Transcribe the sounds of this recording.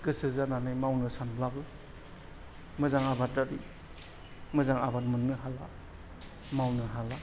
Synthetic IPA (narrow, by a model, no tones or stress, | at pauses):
kɯsɯzananɯjmawnɯsanbʰlabɯ | mɯzaŋabat̚aɾi | mɯzaŋabat̚mɯnːɯɦala | mawnɯɦala